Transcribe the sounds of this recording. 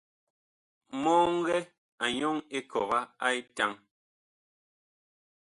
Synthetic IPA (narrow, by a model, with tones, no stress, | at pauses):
mɔː˦ŋ˦ɣɛ˦ | a˨ɲɔ˦ŋe˦kʰɔ˨ɣa˦a˦i˦ta˦ŋ